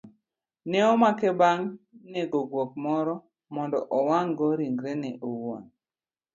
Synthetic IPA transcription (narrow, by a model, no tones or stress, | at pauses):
nɛɔmakɛbaŋneɡoɡwok̚mɔɾɔ | mɔndɔ̰ʔɔwaŋɡɔɾiŋɡɾɛnɛʔowo̰n